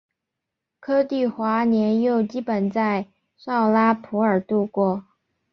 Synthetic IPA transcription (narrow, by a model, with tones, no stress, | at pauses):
kʰɤ˥t̪i˥˩xwa˧˥njɛ˧˥njo˥˩ʊt͡ɕi˥pə˨˩nt͡sa˥˧ɪ | ʂɑ˥˩ʊla˥pʰu˧˥ə˞˨˩t̪u˥˧kwɔ˥˩